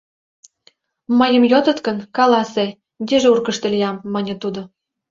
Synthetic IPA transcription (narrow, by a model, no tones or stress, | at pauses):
məjə̆mjot̪ə̆t̪kə̆nkɑlɑse | d̪ʲeʒeurkə̆ʃt̪ĕlʲijɑmːɤnʲɤ̆t̪ud̪o